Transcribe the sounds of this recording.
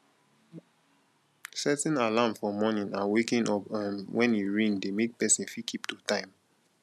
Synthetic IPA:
sɛtɛ̃nalamfɔmɔnĩnawekĩnʔɔpãmwʔɛ̃njeɹĩndemek̚pɛsĩnfikʰiptutãɪ̃m

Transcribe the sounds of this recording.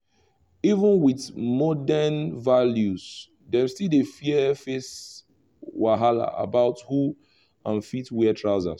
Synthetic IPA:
ivə̃nwiθmɔdɛnvaljuz | dɛ̃mstilefiɛfes | waɦala̰ʔa̰baʊthu | ãnfitwɛtʰɹaʊza̰z

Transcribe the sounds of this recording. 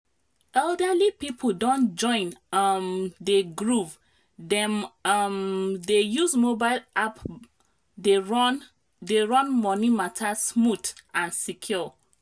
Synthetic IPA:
ɛldəlipipʰodɔ̃nd͡ʒɔ̃ɪ̃nmdeɡɹuv | dɛmmdejuzmobaɪlap | de | deɹɔ̃nmɔnimatʰasmutãnsikʰjɔ

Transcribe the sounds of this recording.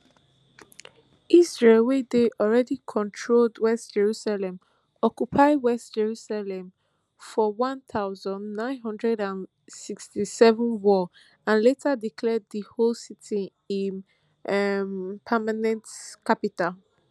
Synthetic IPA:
ʔisɹelwedeʔɔlɹɛdikʰɔ̃ntʰɹoldwɛstd͡ʒɛɹusalɛ̃m | ɔkjupʰaɪwɛstd͡ʒɛɹusalɛ̃m | fɔwɔ̃nθʰaʊzɔ̃ndnãɪ̃nɦʌ̃ndɹɛdãn | sikstisɛvə̃nwɔ | ãnletʰadikʰlɛd̚ðəholsitʰi | ĩn | mpʰamanɛ̃ntkʰapital

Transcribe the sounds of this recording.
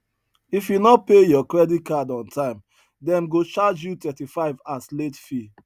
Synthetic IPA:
ifjunɔpejɔkɹɛdit̚kadɔ̃ntãɪ̃m | dɛ̃mɡot͡ʃad͡ʒjutɛtifaɪvasletfi

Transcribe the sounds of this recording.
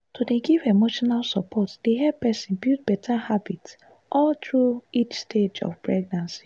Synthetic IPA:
todeɡivemoʃɔnalsɔpʰɔtd̥eɦɛpɛsĩnbid̚bɛtʰahabits | ʔɔltɹuit͡ʃsted͡ʒɔ̰fpɹɛɡ̚nãnsi̥

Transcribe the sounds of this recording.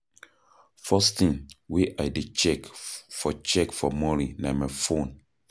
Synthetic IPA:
fɔst̪ĩŋweʔaɪdet͡ʃɛkfɔt͡ʃɛkfɔmɔɾinamajfõn

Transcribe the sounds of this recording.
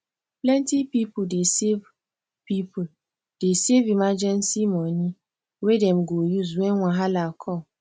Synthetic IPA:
plɛntipipʊdesev | pipʊ | d̥esevimad͡ʒɛnsimɔɲi | wedem̩ɡojuzwenŋʷaɦalakʰɔ

